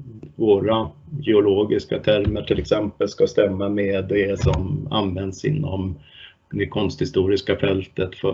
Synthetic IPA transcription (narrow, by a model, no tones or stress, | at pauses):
voːɾajɛʊloːɡɪskat̪ʰæɾməʈʰɪlɛksɛmpəlskast̪ɛmːameːd̪ɛsɔma̰nvɛnd̪sɪ̰nːɔm | d̪ɛkʰɔnst̪hɪst̪uːɾɪskafɛlt̪ət̪fœ̰